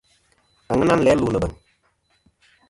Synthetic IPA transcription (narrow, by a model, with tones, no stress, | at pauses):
a˨ŋə˦na˦˨lɛː˨˦lu˦˨nə˨ɓə˨ŋ